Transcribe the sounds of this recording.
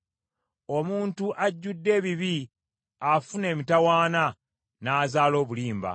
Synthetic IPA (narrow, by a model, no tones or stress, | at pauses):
o̞muːntuʔaɟːudːe̞ːβiβi | afune̞ːmitawaːna | naːzaːlo̞ːβuliːmba̰